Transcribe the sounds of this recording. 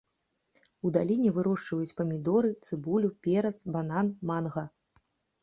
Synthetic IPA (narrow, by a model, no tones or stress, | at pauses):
ud̪alʲinʲɛvɨɾɔʂt͡ʂvɐjut͡sʲpɐmʲid̪ɔɾɨt̪sɨbulʲupʲɛɾɐt̪sbananmanɣɐ